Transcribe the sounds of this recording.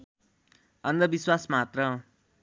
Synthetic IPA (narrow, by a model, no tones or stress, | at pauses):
ʌnd̪ʌbiswasmat̪rʌ